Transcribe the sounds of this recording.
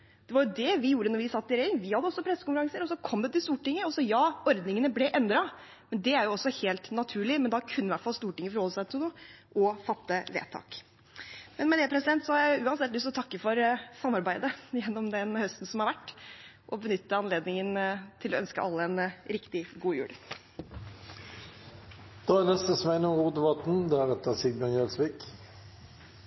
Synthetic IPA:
d̪̥ɛʋɑɾjʊd̪ɛʋɪjuːɾənɔɾʋɪsɑt̪ːɪɾɛɪŋʋɪhɑd̪ːəɔsːɔpʰɾɛsːəkʊnfəɾɑŋsəɾɔsɔkʰɔmd̪ɛt̪ɪlst̪uːʈɪŋːəɔsɔjɑːɔɾd̪nɪŋənəblɛʔɛnd̪ɾɑ | mɛnd̪ɛæɾjʊɔsːɔheːlt̪nɑt̪ʰʉːɭɪmɛnd̪ɑkʰʉnːəɪʋæʈfɑlst̪uːʈɪŋːəfɔɾhɔlːəsæɪt̪ɪlnuːəʔɔfɑt̪ːəʋḛːt̪ʰɑ̰ːk | mɛnmɛd̪ɛːpɾɛsɪd̪ɛnt̪sɔhɑɾjæʊʉːɑnsɛt̪lʏst̪ɔt̪ʰɑkːəfɔɾsɑmːɑɾbæɪd̪əjɛnːɔmd̪ɛnhœst̪n̩sɔmhɑɾʋæʈː | ʔɔbənʏt̪ːəɑnleːd̪nɪŋənt̪ʰɪlɔœnskə̰ɑlːəɛnɾɪkt̪ɪɡuːjʉ̰ːɽ | d̪̥ɑːænɛst̪əsɔmæɪnəʁuːd̪əʋɑt̪n̩d̪ɛæʁɛt̪əʁsɪɡ̚mɑnjɛlsʋɪːk

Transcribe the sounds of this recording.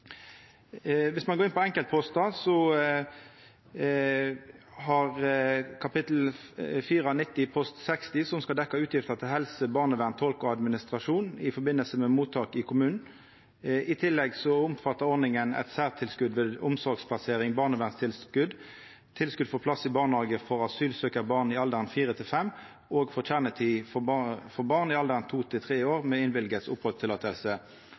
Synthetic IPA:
ʋɪsmɑnɡoːʁɪnpɔɛŋkəlt̪̚pʰɔst̪ɑsɔ | hɑʁkʰɑpɪt̪l̩fiːʁɑnɪt̪ːɪpʰɔst̪sɛkst̪ɪsɔmskɑld̪ɛkːɑʉːt̪jɪft̪ət̪ʰɪlhɛlsəbɑːʁnəʋæːʁnt̪ʰɔlkɔɑd̪mɪnɪst̪ʁɑʂuːnɪfɔɾbɪnəlsəmɛmuːt̪ʰːɑːkɪkʰʊmʉːnn̩ | ʔɪt̪ʰɪlːɛɡsɔʊmfɑt̪ːəʁɔʁnɪŋənɛ̰t̪sæːʁt̪ʰɪlskʉd̪ʋeːd̪ʊmsɔʁɡspʰlɑseːʁɪŋbɑːʁnəʋæːʁnst̪ʰɪlskʉd̪ | t̪ʰɪlskʉd̪fɔpʰlɑsːɪbɑːʁnɑːɡəfɔʁɑsyːlsøːkəbɑʁnɪɑld̪əʁnfiːʁət̪ʰɪlfɛm | oːɡfɔʁtʰæːʁnət̪ʰiːffɔʁbɑʁnɪɑld̪əʁnt̪ʰuːt̪ʰɪlt̪ʰʁeːoːʁmɛːɪnʋɪlɡət̪sʊphøːt̪ʰɪlɑːt̪ʰɛlsə

